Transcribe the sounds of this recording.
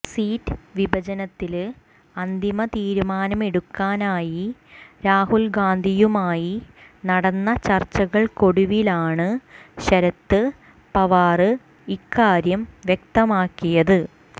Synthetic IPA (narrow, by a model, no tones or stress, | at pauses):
siːtːɨʋibʱɐt͡ɕɐnɐt̪ːil | ɐnd̪ʱimɐt̪iːɾumaːnɐme̞ɽukːaːnaːjiɾaːhulɡaːnd̪ʱijumaːjinɐɽɐnːɐt͡ɕɐrt͡ɕːɐɣɐɭko̞ɽuʋilaːɳɨɕɐɾɐt̪ːɨ | pɐʋaːrɨ | ikːaːɾjɐmʋjek̚t̪ɐmaːkːijɐðɨ